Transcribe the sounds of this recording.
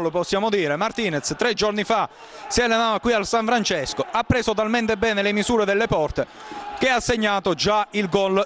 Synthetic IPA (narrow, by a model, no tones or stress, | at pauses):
lopɔsːjaːmod̪iːɾemart̪iːnet̪st̪ɾɛd͡ʒornifa | siɛlenaːvakwialsaɱfɾant͡ʃɛskoapːɾeːzot̪̬alment̪ebɛːnelemizuːɾed̪elːepɔrt̪e | k̟easːeɲːaːt̪od͡ʒailɡɔl